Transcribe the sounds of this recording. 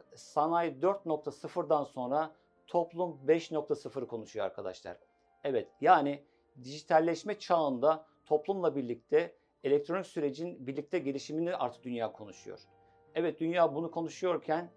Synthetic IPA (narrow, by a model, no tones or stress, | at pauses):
sanajd̪øɾt̪̚no̞k̚t̪ʰasɯfɯɾd̪anso̞nɾa | t̪ʰo̞plˠumbɛʃnok̚t̪ʰasɯfɯɾkʰo̞nuʃujoaɾkʰad̪a̰ʃlˠa̰ɾ̥ | ɛvɛt̪jaːni | d̪iʒit̪ʰalʲːɛʃmɛt͡ʃʰaːɯnd̪a | t̪ʰo̞plˠumlˠabiɾlʲic̚t̪ʰɛ | elʲɛc̚t̪ʰɾo̞nicsyɾe̞d͡ʒinbiɾlʲic̚t̪ʰɛɟe̞lʲiʃiminiʔa̰ɾt̪ʰɯ̥k̚d̪ynjaːkʰo̞nuʃujo̰ɾ̥ | ɛvɛt̪̚d̪ynjaːbunukʰo̞nuʃujo̞ɾcʰæn